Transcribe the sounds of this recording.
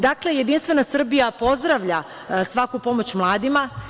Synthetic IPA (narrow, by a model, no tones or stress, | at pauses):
d̪akle̞jed̪inst̪ʋe̞nasr̩bijapo̞zd̪ɾaʋʎa | sʋakupo̞mo̞t͡ɕmlˠaːd̪ima